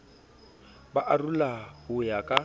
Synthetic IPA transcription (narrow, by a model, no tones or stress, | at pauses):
baʔarulahʊjakʼa